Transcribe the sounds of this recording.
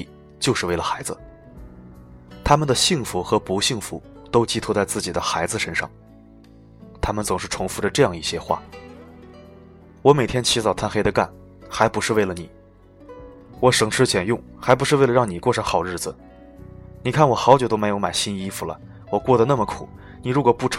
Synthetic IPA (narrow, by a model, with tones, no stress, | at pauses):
t͡ɕjo˥˧ʊʂɻ̩˥˧we˥˩ɪlə˩xa˧˥ɪd͡zɹ̩˧ | t̪ʰa˥mə˨nd̪ə˩ɕi˥˩ŋfu˧˥xɤ˧˥pu˧˥ɕi˥˩ŋfu˧˥t̪o˥ʊt͡ɕi˥t̪ʰu˥t͡sa˥˧ɪt͡sɹ̩˥˩t͡ɕi˨˩d̪ə˦xa˧˥ɪd͡zɹ̩˧ʂə˥nʂɑ̰˥˩ŋ | t̪ʰa˥mə˨nt͡sʊ˨˩ŋʂɻ̩˥˩ʈ͡ʂʰʊ˧˥ŋfu˧˥də˧ʈ͡ʂɤ˥˧jɑ˥˧ŋi˥˩ɕjɛ˥xwa̰˥˩ | wɔ˧˥me˨˩ɪt̪ʰjɛ˥nt͡ɕʰi˧˥t͡sɑ˨˩ʊt̪ʰa˥˧nxe˥ɪd̪ə˧ka̰˥˩n | xa˧˥ɪpu˧˥ʂɻ̩˥˧we˥˩ɪlə˩ni˨˩˦ | wɔ˧˥ʂɤ˨˩ŋʈ͡ʂʰɻ̩˥t͡ɕjɛ˨˩njʊ˥˩ŋxa˧˥ɪp̬u˧˥ʂɻ̩˥˧we˥˩lə˩ɻɑ˥˩ŋni˨˩kwɔ˥˩ʂɤ˧˥ŋxɑ˨˩ʊɻɻ̩˥˩d͡zɹ̩˩ | ni˨˩kʰa˥˩nwɔ˨˩xɑ˧˥ʊt͡ɕjo˨˩t̪o˥me˧˥ɪjo˧˥ʊma˨˩ɪɕi˥ni˥fu˨˩lə̰˩ | wɔ˨˩kwɔ˥˩d̪ə˩na˥˩mə˩kʰṵ˨˩˦ | ni˨˩ɻu˧˥kwɔ˨˩pu˥˩ʈ͡ʂʰ